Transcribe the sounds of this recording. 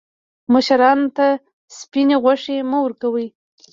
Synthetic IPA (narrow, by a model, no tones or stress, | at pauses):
maʃaɾɑnt̪a | spineɣwaʂeməwəɾkawəj